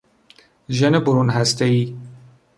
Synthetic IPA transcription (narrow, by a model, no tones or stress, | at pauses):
ʒenebʊɾunɦæst̪eiː